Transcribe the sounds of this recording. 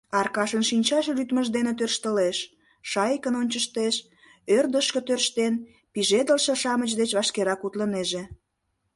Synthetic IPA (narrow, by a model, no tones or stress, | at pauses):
ɑrkɑʃənʃinʲt͡ɕɑʃlyt̪məʒd̪enet̪̬ørʃt̪əleʃ | ʃɑjəkənonʲt͡ɕəʃt̪eʃ | ørd̪əʃkə̆t̪ørʃt̪en | piʒed̪əlʃĕʃɑmət͡ɕd̪et͡ɕβɑʃkeɾɑkut̪ləneʒe